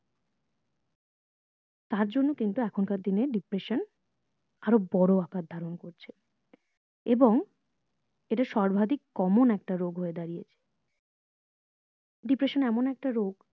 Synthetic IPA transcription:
t̪aɾd͡ʑonːokint̪uɛkʰonkaɾd̪ineɖipɾeʃon | aɾobɔɽoakad̪ʱaɾonkoɾt͡ɕʰe | eboŋ | eʈaʃɔɾbʱad̪ikːɔmonɛk̚ʈaɾoɡʱɦoed̪aɾijet͡ɕʰe̥ | ɖipɾeʃonɛmonɛk̚ʈaɾoɡ

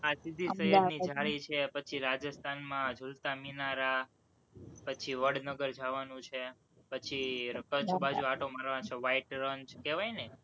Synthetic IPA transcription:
asid̪ʱiʃəɦiɾnid͡ʒʱaɾit͡ʃʰepət͡ʃʰiɾad͡ʒəst̪ʰanmãd͡ʒʱult̪aminaɾa | pət͡ʃʰiʋəɽnəɡəɾd͡ʒʱaʋanũt͡ʃʰe | pət͡ʃʰiɾəkəd͡ʒbad͡ʒuaʈʰomaɾʋant͡ʃʰeʋaiʈɾəɲt͡ʃkeʋajne

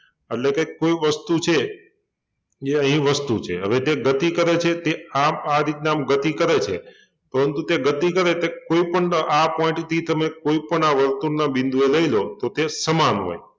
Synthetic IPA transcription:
eʈlekekoiʋəst̪ut͡ʃʰe | eəɦĩʋəst̪ut͡ʃʰḛɦə̰ʋet̪eɡət̪ikəɾet͡ʃʰet̪eaaɾit̪neamɡət̪ikəɾet͡ʃʰḛ | pəɾənt̪ut̪eɡət̪ikəɾet̪ekoipəɳapɔ̃ĩʈt̪ʰit̪əmekoipəɳaʋəɾt̪uɾnabɪ̃nd̪ʱueləilot̪ot̪esəmanɦo̰j

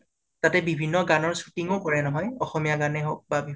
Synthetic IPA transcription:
tatɛbibʱinːɔɡanɔɹsu̥tiŋokɔɹɛnɔɦɔjɔxɔmijaɡanɛɦok̚babi

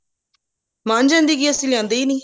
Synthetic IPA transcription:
maːnd͡ʒãːnd̪iːɡiːəsĩːljãːnd̪eːiːniː

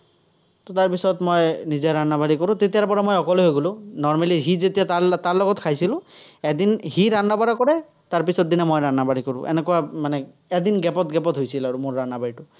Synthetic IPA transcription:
tɔtaɹpisɔtmojnizɛɹanabaɹikɔɹʊ̃tetijaɹpɔɹamojɔkɔloɦojɡolʊ̃nɔɹmaliɦizetijaataɹlɔɡɔtkʰajsilʊ̃ɛdinhiɹanːabaɹakɔɹɛ | taɹpisɔt̚dinɛmojɹanabaɹikɔɹʊ̰̃ʔɛ̰nɛkuwamanɛ | ɛdinɡɛpɔtɡɛpɔtɦojsilaɹumoɹːanːabaɹitʊ

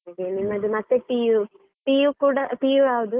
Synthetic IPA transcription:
ɐɡenimːɐd̪umɐt̪ːeʈiju | ʈiːjukuːɽɐʈijuaːʋud̪u

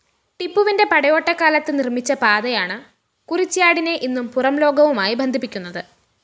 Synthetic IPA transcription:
ʈipːuʋinde̞pɐɽɐjo̞ːʈːɐkːaːlɐt̪ːɨnirmit͡ɕːɐpaːðɐjaːɳɨ | kurit͡ɕːijaːɽine̞ʔinːumpurɐmlo̞ːɡɐʋumaːjibɐnd̪ʱipːikʲːunːɐðɨ

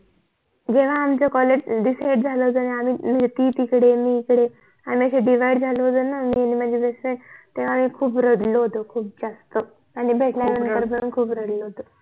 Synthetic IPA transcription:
d͡ʑeʋ̤aːmt͡səkɔleɖisajɽd͡zʱaloɦod͡zənaamiːm̤əd͡zet̪iːt̪ikɽemiːkɽe | amiːəɕeɖiʋ̤ajɖd͡zʱaloɦod͡z̪ənamianim̤əd͡zʱebeseɳt̪eʋ̤aːmiːkʰuːpɾədloɦot̪okʰuːp̚d͡zast̪ə | aɽ̃ibʱeʈʰljanənəɾbəɾuːnkʰuːpɾəɽləɦot̪o

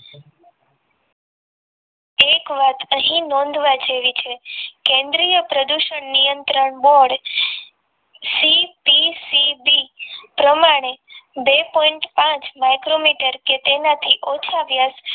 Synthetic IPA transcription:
ekʋat̪əɦĩnɔ̃nd̪ʱʋad͡ʒeʋit͡ʃʰekẽnd̪ɾijəpɾəd̪uʃəɳnijənt̪ɾəɳbɔɽ | sipisibipɾəmaɽ̃ebepɔiɳʈpãt͡ʃmajkɾomiʈəɾket̪enat̪ʰiʔot͡ʃʰaʋjas

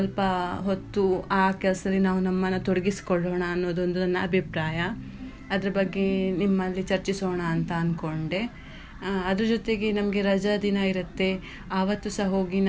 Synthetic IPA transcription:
ɐlpɐɦot̪ːuaːkɛlɐsɐd̪ɐlːinaːʋunɐmːɐnːɐt̪oɽɐɡisi̥kɔɭːoːɳɐːnːoːd̪uond̪unɐnːɐɐbʱipɾaːjɐ | ɐd̪ɐɾɐbɐɡːenimːɐlːit͡ʃɐɾt͡ʃisoːɳɐːnt̪ɐːnko̞ɳɖe̞ | ɐd̪ɐɾɐd͡ʒot̪e̞ɡenɐmɐɡe̞ɾɐd͡ʒɐd̪inɐiɾɐt̪ːe̞ | aːʋɐt̪ːusɐɦo̞ːɡin

